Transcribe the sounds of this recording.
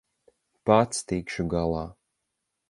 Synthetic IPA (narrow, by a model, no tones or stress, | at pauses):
pat̪st̪ikʃuɡalˠaː